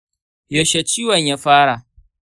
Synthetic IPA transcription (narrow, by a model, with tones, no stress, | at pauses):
jɐ˨ʃe˨t͡ʃiː˦wɐ˨ɲjaː˦ɸaː˦ɽa˨